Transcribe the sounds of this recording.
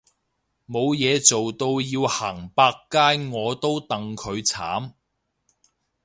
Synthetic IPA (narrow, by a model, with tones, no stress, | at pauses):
mo˨˧wjɛː˨˧t͡so˨wt̪o˧wjiː˧whaː˨˩ŋpaː˧kːaː˥jŋɔː˨˧t̪o˥wt̪ɐ˨ŋkʰɵ˨˧ɥt͡sʰa̰ː˨˥m